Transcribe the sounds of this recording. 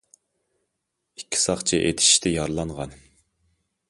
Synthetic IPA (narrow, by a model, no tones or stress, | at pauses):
ikʲʰːi̥sɑqt͡ʃʰiʔet̪ʰɪ̥ʃt̪ʰɪjɑɾlˠɑɴʁɑn